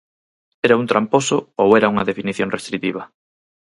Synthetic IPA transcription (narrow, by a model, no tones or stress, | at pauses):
ɛɾaunt̪ɾamposʊowɛɾauŋɐðefiniθjoŋrest̪ɾit̪iβɐ